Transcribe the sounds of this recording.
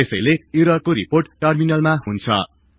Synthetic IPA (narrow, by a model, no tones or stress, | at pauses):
esʌjleiɾʌkoɾiporʈʈːʌrminʌlmaɦunt͡sʰʌ̰